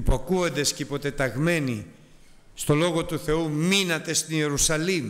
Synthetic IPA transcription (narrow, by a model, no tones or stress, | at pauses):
poɐkuond̪esceipo̞t̪e̞t̪ɐɣme̞ni | st̪o̞lo̞ɣo̞t̪uθe̞uminɐt̪e̞st̪ine̞ɾusɐlim